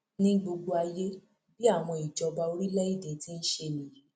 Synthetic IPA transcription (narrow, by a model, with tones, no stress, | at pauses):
nĩ˦ɡ͡bo˧ɡ͡bo˦a˧je˦ | bi˦a˦˨w̃ɔ̃˧i˨d͡ʒɔ˧ba˧o˧ɾi˦lɛ˦i˦˨de˨ti˦n̩˦ʃe˧li˨